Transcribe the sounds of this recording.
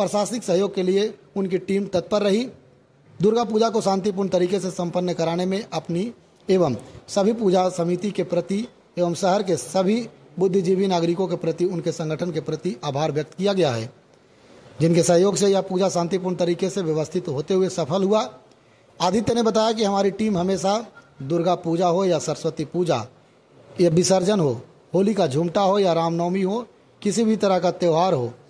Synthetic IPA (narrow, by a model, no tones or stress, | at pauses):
pɾəʃaːsɪksɐɦjoːɡ̚kelieʊnkiʈiːmt̪ɐt̪̚pəɾːɐɦi | d̪ʊɾɡapuːd͡ʒakoʃãːnt̪ip̬uːɾɳt̪ɐɾiːkesesɐ̃mpənːəkɐɾaːnemẽʔɐpni | eːʋəmsɐbʱipuːd͡ʒasɐmit̪ikepɾɐt̪i | eːʋəmsɐɦəɾkesɐbʱi | bʊd̪ʱːd͡ʒibinaːɡɾɪkõk̬epɾɐt̪iʊnkesɐ̃ŋɡʱəʈʰənkepɾɐt̪iʔaːbʱaːɾʋjɐk̚t̪kijaɡɐjaɦɛ̰ː | d͡ʒɪnkesɐ̃ɦjoːɡsejapuːd͡ʒasãːnt̪ip̬uːɾɳt̪ɐɾiːkeseʋjɐʋəst̪ʰɪt̪ɦoːt̪eɦʊesɐpʰəlɦua | aːd̪it̪jənebɐt̪aːjak̬iɦɐmaːɾiʈiːmɦɐmeːsad̪ʊɾɡapuːd͡ʒaɦojasəɾəswət̪ipuːd͡ʒa̰ | jabɪsəɾd͡ʒənɦo | hoːlikad͡ʒʱũːmʈaɦojaɾaːmnɔːmiɦo | kɪsibʱit̪ɐɾəɦkat̪eːʊɦaːɾɦoː